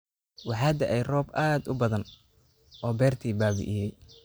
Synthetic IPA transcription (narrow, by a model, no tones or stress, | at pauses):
wɑħɑːd̪ɐʔɛjrɔːbʔaːd̪ʊbɐðɐn | ʔɔːbɛːrt̪ʰiːbaːβɪ̰ʔɪjɛj